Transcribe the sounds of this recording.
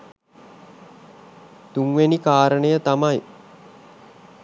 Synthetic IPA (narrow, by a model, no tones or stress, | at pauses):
t̪uŋʋenikaːɾənəjət̪amaj